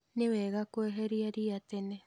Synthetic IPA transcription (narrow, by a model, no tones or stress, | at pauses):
neβeɣakoeɦeɾiaɾiat̪ene